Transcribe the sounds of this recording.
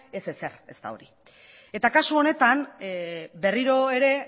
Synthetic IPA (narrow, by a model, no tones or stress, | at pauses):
e̞se̞se̞re̞st̪a̰o̞̰ɾi | e̞t̪akasuo̞ne̞t̪an | be̞riɾo̞eɾe̞